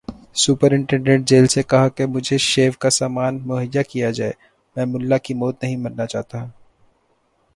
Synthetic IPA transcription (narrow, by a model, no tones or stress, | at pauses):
suːpəɾɪ̃ɳʈɛ̃ɳɖeːʈ̚d͡ʒeːlsekɐɦakemʊd͡ʒʱeʃeːʋkasaːmaːnmʊɦəjːakijad͡ʒaːe | mɛ̃ːmʊlːakimɔːt̪nɐɦĩmɐnnat͡ʃaːɦt̪aɦũː